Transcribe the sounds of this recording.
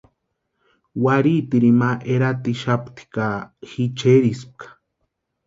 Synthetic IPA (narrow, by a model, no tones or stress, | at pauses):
waɾit̪iɾimaʔeɾat̪iʃapt̪i̥kaxit͡ʃeɾisp̚kʰḁ